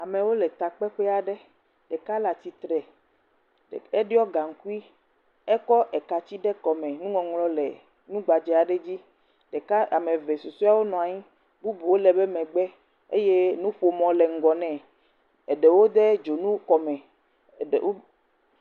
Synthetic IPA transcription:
a˨mẽ˨wo˦lɛ˨t̪a˨k͡pɛ˦ɸɛ˦a˨ɖɛ˦ | ɖɛ˨ka˦la˨t̪i˨t̪ɾɛ˨ | e˦ɖi˦ɔ˦ɡa˨ŋ̩˨˦ku˦i˦ | ɛ˦kɔ˦ʔɛ˨ka˨t͡ɕi˦ɖɛ˦kɔ˨mɛ̃˨nũ˦ŋɔ̃˨ŋlɔ˦lɛ̰˨ | nũ˦ɡ͡ba˨d͡ʒɛ˦a˨ɖe˦d͡ʑi˦ | ɖe˨ka˦a˨mẽ˨ve˨su˨su˦a˦wo˦nɔ̃˨a˨ɲĩ˦ | bu˦bu˨wo˦lɛ˨be˦mɛ̃˨ɡ͡bɛ˦ | ḛ˦je˦nũ˦ɸo˨mɔ̃˨lɛ˨ŋ̩˨ɡɔ˨nɛ̃˨ | e˨ɖe˨wo˦d̪e˦d͡ʒo˨nũ˦kɔ˨mɛ̃˨ | wo˦

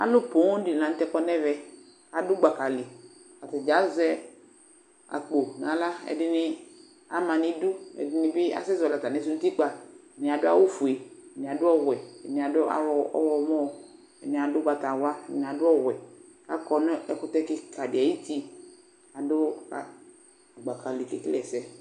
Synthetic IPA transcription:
a̰˨lʊ˦po˨˦ŋ˦ɖi˨nã˨˦n̩˦t̪ɛ˦kɔ˦nɛ˦vɛ˨ | ka˨dʊ˦ɡ͡ba˨ka˨li˨ | ka˨t̪ɛ˨d͡ʒa˨˦zɛ˦ | a̰˨k͡po˨nã˨la˦ɛ̰˨dɪ˦nɪ˦ | a˨mã˨nĩ˦du˦ɛ̰˨dɪ˦nɪ̃˨bɪ˦a̰˨sɛ˦zɔ˨la˨t̪a˨nɛ̃˨˦s̬u˦u˦t̪i˦k͡pa˨ | nĩ˨a˨dʊ˦a̰˦wo˦fu˨e˨ɛ˨nɪ̃˨a˨dʊ˦ɔ˦ɣɛ˨ɛ˨nɪ̃˨a˨dʊ˦a̰˨wɔ˨ɔ̰˦wɔ˨mɔ̃˦ | ɛ̰˨nɪ̃˨a˨dʊ˦ɡa˨t̪a˨wa˦ɛ˨nĩ˨a˨dʊ˦ɔ˦ɣɛ˨ka̰˦kɔ˨n˦ɛ˨kʊ˦t̪ɛ˦kɪ˦kʰa˨dɪ˨a˨ji˦t̪i˦ | a˨dʊ˦a˨ | ɡ͡ba˨ka˨li˨ke˨klɛ˨sɛ˦

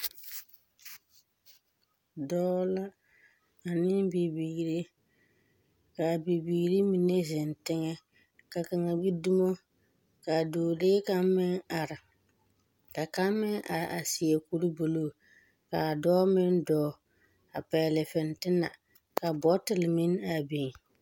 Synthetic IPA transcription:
dɔː˦la˦ | a˨nɪ˦nbi˨bi˨ɾe˦ | ka˨bi˨biː˨ɾi˦mi˨ne˦zɪ˨ntɪ˦ŋɛ˦ | ka˨ka˨ŋa˨bi˦du˦mo˦ | ka˨doː˨deː˦ka˦m˦mɪ˦ŋa˨ɾɪ˨ | ka˨ka˦mmɪ˦ŋʔa˨ɾa˨si˨e˨ku˦ɾi˦bo˨loː˦˨ | ka˨dɔː˦mɪ˦ndɔː˦ | a˨pɛ˨lɪ˨fɪ˨ntɪ˦na̰˨ | ka˨bɔ˦tɪ˨lɪ˨mɪ˦na˨bi˨ŋ˨

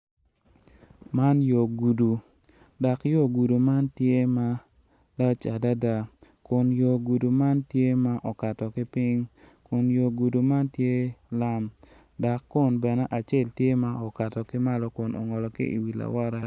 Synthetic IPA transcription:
ma˦njo˨ɡu˨du˨ | da˨kjo˦˨ɡu˨du˨ma˦ntje˦ma˦ | da˦t͡ʃa˨da˦da˨ | kʊ˨njo˨ɡu˨du˨ma˦ntje˦ma˦ʔɔ˨ka˨tɔ˨kɪ˦pɪ˦ŋ | kʊ˨njo˨ɡu˨du˨ma˦ntje˦la˦m | da˨kːʊ˦˨nbɛ˨nɛ˦ʔa˨t͡ʃe˦˨ltje˦ma˦ɔ˨ka˨tɔ˨kɪ˦ma˦lɔ˦kʊ˨nɔ̰˨ŋɔ˨lɔ˨kḭ˦ḭ˨wi˨la̰˨wɔ˦ɾa˦

